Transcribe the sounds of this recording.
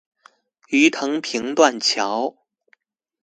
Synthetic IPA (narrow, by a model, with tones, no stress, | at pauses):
y˧˥t̪ʰɤ˧˥ŋpʰi˧˥ŋt̪wa˥˩nt͡ɕʰjɑ˧˥ʊ